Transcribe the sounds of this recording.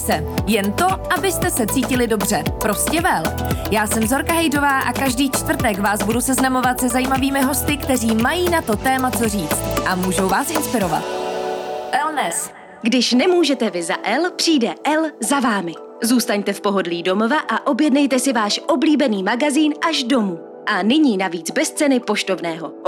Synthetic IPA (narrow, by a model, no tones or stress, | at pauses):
sɛ | jɛnt̪o̞ʔabɪst̪ɛsɛt͡siːcɪlɪdo̞br̝ɛpɾo̞scɛvɛljaːsɛmzo̞ɾkaɦɛjdo̞vaːʔakaʒdiːt͡ʃt̪vrt̪ɛkvaːsbudusɛznamo̞vat̪sɛzajiːmaviːmɪɦo̞st̪ɪkt̪ɛr̝iːmajiːnat̪o̞t̪ɛːmat͡so̞riːt͡st̪ʔamuːʒo̞wvaːsʔɪnspɪɾo̞va̰t̪̚ | ʔɛlnɛs | ɡdɪʃnɛmuːʒɛt̪ɛvɪza̰ʔɛlpr̝̥iːdɛʔɛlzavaːmɪ | zuːst̪aɲt̪ɛfpo̞ɦo̞dliːdo̞movaʔaʔo̞bjɛdnɛjt̪ɛsɪvaːʃʔo̞bliːbɛniːmaɡaziːnʔaʒdo̞muː | ʔanɪɲiːnaviːd͡zbɛst͡sɛnɪpo̞ʃt̪o̞vnɛːɦo̞